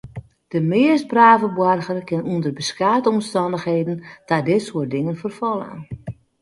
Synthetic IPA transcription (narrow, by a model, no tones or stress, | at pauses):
d̥əmɪəst̚braːvəbwarɣərkɪnundərbəskaːtəɔmstɔndəxɦeːdən̩tadɪtsuət̚dɪŋənfərfɔlˠa̰n